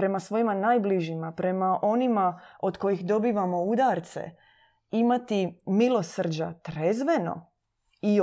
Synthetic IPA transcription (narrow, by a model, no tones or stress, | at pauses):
ɾe̞masʋo̞jimanaːjbliʒimapɾe̞maʔo̞nimaod̪ko̞jixd̪o̞biːʋamo̞ud̪aɾt̪sḛ | imat̪imilo̞sr̩d͡ʑa̰t̪ɾezʋe̞no̞̰ | i